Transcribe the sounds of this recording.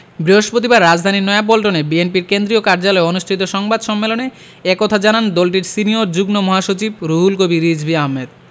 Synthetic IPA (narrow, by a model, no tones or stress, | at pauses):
bɾiɦoʃpɾot̪̬ibaɾːad͡ʑd̪ʱaninɔeap̬olʈonebienpiɾkend̪ɾiokaɾd͡ʑalɔeonuʃʈʰit̪oʃɔŋbad̪ʃɔmːelone | ekɔt̪ʰad͡ʑanand̪olʈ̬iɾsinioɾd͡ʑuɡnomɔɦaʃot͡ɕibɾuɦulkobiɾid͡ʑbʱiaɦmːed̪̚